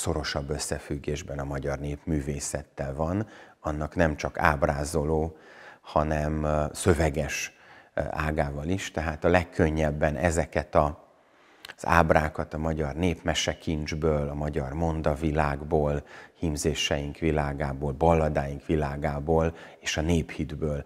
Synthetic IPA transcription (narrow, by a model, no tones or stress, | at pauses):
so̞ɾo̞ʃɒbːø̞sːɛfyɡːeːʒbɛnɒmɒɟɒrneːpmyːveːsɛt̪ːɛlvɒn | ɒnːɒknɛmt͡ʃɒka̰ːbraːzo̞loːhɒnɛmsø̞vɛɡɛʃ | aːɡaːvɒliʃt̪ɛɦaːt̪ɒlɛkʰːø̞ɲːɛbːɛnɛzɛkɛt̪ɒ | z̥a̰ːbraːkɒt̪ɒmɒɟɒrneːpmɛʃɛkind͡ʒbøːlɒmɒɟɒrmo̞nd̪ɒvilaːɡboːlhimzeːʃɛjiŋkʋilaːɡaːboːlbɒlːɒd̪aːjiŋkʋilaːɡaːboːleːʃɒneːphid̪bøːl